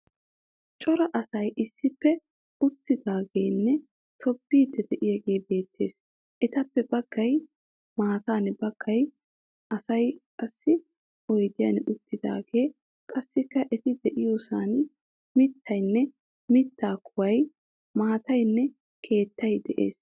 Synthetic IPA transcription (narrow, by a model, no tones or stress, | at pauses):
t͡ʃʼɔɾɐʔɐsɐjʔɪsːɪpːɛ | ʊt̪ːɪd̪aːɡe̞ːnːɛ | t̪ʰɔbːiːd̪ɛd̪ɛʔɪjaɡe̞ːbe̞ːt̪ːe̞ːs | ʔɛt̪ɐpːɛbɐɡ̥ːɐj | maːt̪aːnbɐɡ̥ːɐj | ʔɐsɐjkʼɐsːɪ | ɔjd̪ɪja̰nʊt̪ːɪd̪a̰ːɡe̞ː | kʼɐsːɪkːɐʔɛt̪ɪd̪ɛʔɪjoːsaːn | mɪt̪ʰːɐjnːɛ | mɪt̪ːaːkʰʊwɐj | maːt̪ɐjnːɛ | kʰe̞ːt̪ːɐjd̪ɛʔe̞̰ːs